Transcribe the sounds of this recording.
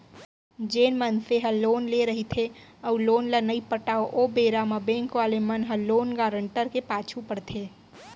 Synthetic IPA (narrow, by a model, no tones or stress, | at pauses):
d͡ʒeːnmənseɦəloːnleɾəɦit̪ʰe | əuloːnlənəipəʈaːoʔobeɾaməbẽŋkʋalemənɦəloːnɡaːɾəɳʈəɾkepaːt͡ʃʰupəɽt̪ʰe